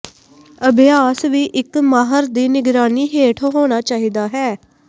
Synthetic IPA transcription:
əbʱɪjaːsʋiːʔɪkmaːɦəɾd̪iːnɪɡɾaːniːɦeːʈʰoɦoːñaːt͡ʃaːɦiːd̪aːɦɛː

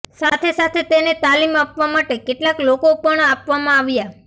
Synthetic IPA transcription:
sat̪ʰesat̪ʰet̪enet̪alimapʋamaʈekeʈlaklokopəɳapʋamãaʋja

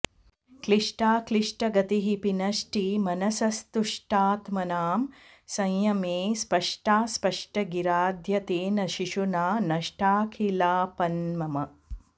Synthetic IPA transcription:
kliʂʈaːkliʂʈɐɡɐt̪iɦipinɐʃʈimɐnɐsɐst̪uʂʈaːt̪mɐnaːm | sɐ̃jjɐmeːspɐʂʈaːspɐʂʈɐɡiɾaːd̪ʱjɐt̪eːnɐʃiʃunaːnɐʂʈaːkʰilaːpɐnmɐmɐ

